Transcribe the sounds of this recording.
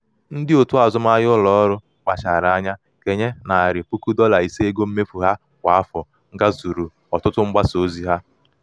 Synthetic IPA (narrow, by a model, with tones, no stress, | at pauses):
n̩˦dɪ˦o˨tʊ˦a˨zʊ˦m˦a˦jʊ˦lɔ˦ɾʊ˦ | k͡pa˨t͡ʃa˨ɾa˨a˦ɲa˦ | ke˨ɲe˦na˨a˨ɾɪ˨pu˦ku˦dɔ˦la˨i˨se˦ɡo˦m̩˦me˦fu˨ɦa˦ | kʷa˨a˦fɔ˨ | ŋ̩˦ɡa˦zu˨ɾu˨ | ɔ˨tʊ˦tʊ˦ŋ͡m̩˦ɡ͡ba˦so˨˦zi˦ɦa˦